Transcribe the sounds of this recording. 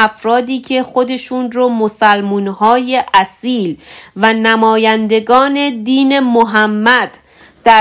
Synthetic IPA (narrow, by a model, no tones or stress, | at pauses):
æfɾɒːd̪iːcʰe̞xo̞d̪e̞ʃuːnromosælmunhɒːje̞ʔæsiːlvænæmɒːjænd̪e̞ɡɒːne̞d̪iːne̞moɦæmːæd̪̥ː | æ